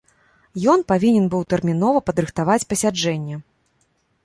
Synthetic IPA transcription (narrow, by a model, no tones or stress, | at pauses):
jɔnpavʲinʲɛnbɨwt̪ɛrmʲin̪ɔvɐpɐd̪ɾɨxt̪avat͡sʲpɐsʲad͡ʐɛnʲːɛ